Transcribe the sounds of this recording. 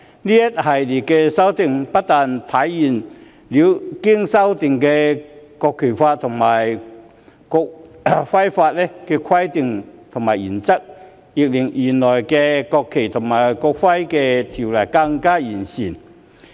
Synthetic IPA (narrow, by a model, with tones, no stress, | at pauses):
liː˥jɐ˥t̚hɐ˨jli˨t̚kːɛː˧sɐ˥wt̪ɪ˨˧ŋpɐ˥t̚t̪aː˨nt̪ʰɐ˨˥jːiː˨˩n | liː˨˧˥wkɪ˥ŋsɐ˥wt̪ɪ˨˧ŋkɛː˧kɔː˧kʰːe˨˩faː˧tt̪ʰʊ˨˩ŋmaː˨˩j | kʊ˧k̚fɐ˥jfaː˧t̚lɛ˥kɛː˧kʰɐ˥jt̪ɪ˨˧ŋt̪ʰʊ˨˩ŋmaː˨˩jiː˨˩nt͡sɐ˥k̚ | jɪ˨˧k̚lɪ˨˩ŋjiː˨˩nlɔː˨˩jkɛː˧kɔː˧kʰːe˨˩jt̪ʰʊ˨˩ŋmaː˨˩jkɔ˧k̚fɐ˥jkɛː˧t̪ʰi˨˩wlɐ˨˩jka˧ŋkaː˥jiː˨˩nsiː˨˩n